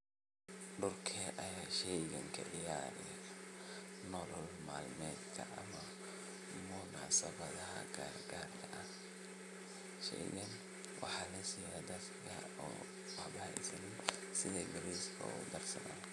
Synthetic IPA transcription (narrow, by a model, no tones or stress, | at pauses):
ɖʊrkʰɛʔɐjaːʃɛjɡɐŋkʰɐ̰ʔɪjaːɾɪ | nɔlɔlmaːlmɛːd̪kʰɐʔɐmɐ | mʊnaʕsɐbɐðɐɦɐ̰ɡaːrɡaːrkʰɐʔɐ | ʃɛ̰jɣɐn | wʔɑ̰ħɑlɐsiːjad̪ɐskʰɐɔ̰ː | wɑħbɐɪ̰sɐnɪ | sɪðɛːɡɐɾiskʰɔ̰ud̪ɐrsɐ̰na̰ːn